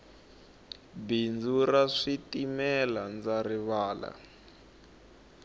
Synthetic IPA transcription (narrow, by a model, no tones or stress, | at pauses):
bind͡zuraʂitimɛland͡zariβaːla̰